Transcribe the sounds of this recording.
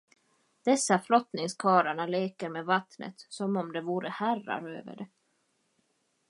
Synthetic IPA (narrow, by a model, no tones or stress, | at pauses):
d̪̥ɛsːaflɔt̪nɪŋskʰɑːɾaɳaleːkəɾmeːvat̪nə̰t̪sɔmɔmd̪ɛvuːɾəhæra̰ɾø̰ːvə̰ɖɛ